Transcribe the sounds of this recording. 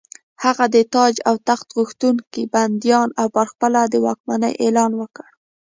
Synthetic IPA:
haɣad̪ət̪ɑd͡ʒawt̪axt̪ɣuxt̪uŋkiband̪jɑnawpəɾxpəlad̪əwɑ̰kmanə̰jʔelɑnwəkəɽ

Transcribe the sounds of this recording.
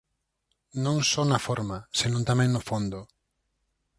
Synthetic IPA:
nõŋsɔnɐfɔɾmasenõnt̪amɛ̃ŋnʊfond̪ʊ

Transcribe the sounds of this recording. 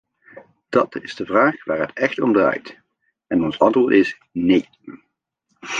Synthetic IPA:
d̥ɑtɪzdəvraːχʋaːɹɦətɛxtɔmdra̰ːjt | ɛnɔnsɑntʋʊːɹtɪs | nej

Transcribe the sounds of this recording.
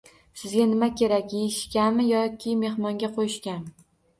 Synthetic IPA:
sɪzɡʲanɪmakʲʰe̞ɾakʲjeʃkʲanmɪjɒkʲʰɪme̞hmɒŋɡʲaqʰojɪʃkʲanmɪ

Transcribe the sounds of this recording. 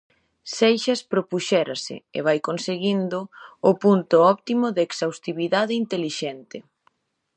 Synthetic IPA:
sejʃɐspɾopuʃɛɾasɪ̰ḛβ̞ajkonseɣind̪ʊʊpunt̪ʊɔpt̪imʊðeːksawst̪iβiðaðɪint̪eliʃɛnt̪ɪ

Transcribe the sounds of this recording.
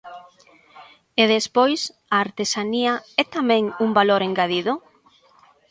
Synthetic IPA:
eðespojs | aːɾt̪esaniɐɛt̪amɛ̃ŋuŋbaloɾeŋɡaðiðʊ

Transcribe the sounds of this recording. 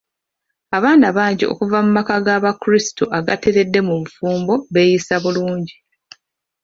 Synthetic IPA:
aβaːnaβaːɲɟio̞̰kuvamumakaɡaβakuɾistoʔaɡateɾe̞dːe̞muβufuːmbo̞βe̞ːjisaβuluːɲɟi

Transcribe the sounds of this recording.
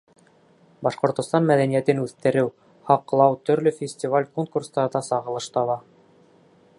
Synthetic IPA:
bɑʃqŏɾt̪ŏst̪ɑnmæðænijæt̪ɘnʉθt̪ɘ̆ɾɘw | hɑqlˠɑwt̪ɵ̆ɾlɵfʲɪsʲtʲivalʲkoŋkurst̪ɑɾd̪ɑsɑʁɤ̆lˠɤʃt̪ɑβɑ

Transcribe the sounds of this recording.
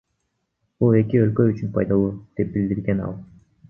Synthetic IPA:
bulˠe̞kʲiølkø̞yt͡ʃynpʰɑjd̪ɑlˠud̪̥e̞p̚bild̪iɾɡe̞nɑ̰lˠ

